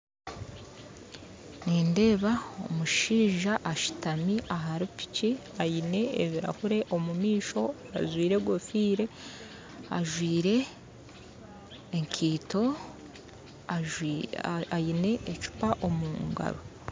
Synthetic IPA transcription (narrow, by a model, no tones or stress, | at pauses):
niːnde̞ːβao̰muʃiːʒaʔːʃi̥tamiʔaɦaɾipi̥ci | ajine̞eβiɾa̰huɾe̞ʔo̞mumiːʃo̞ | a̰zwiːɾe̞ɡwofiːɾe̞ | a̰ʒwiːɾe̞ | ŋkʰiːto̞ | ajine̞ʔet͡ʃu̥paʔo̞muːŋɡa̰ɾo